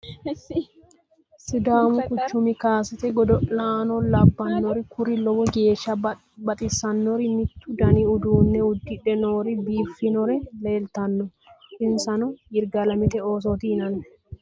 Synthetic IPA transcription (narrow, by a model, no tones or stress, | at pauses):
sɪd̪aːmʊkʊt͡ʃːʊmɪkaːsɪt̪ɛɡɔd̪ɔʔlaːnɔlɐbːɐnːɔɾɪkʊɾɪlɔbɔɡe̞ːʃːɐ | bɐt̪ʼɪsɐnːɔɾɪmɪt̪ːʊd̪ɐniʊd̪uːnːɛʊd̪ːɪᶑɛnoːɾɪbiːfːɪnɔɾɛleːlt̪ɐnːɔ | ʔɪnsɐnɔjɪɾɡɐlɐmɪt̪ɛoːs̬ot̪iɪnɐnːɛ̥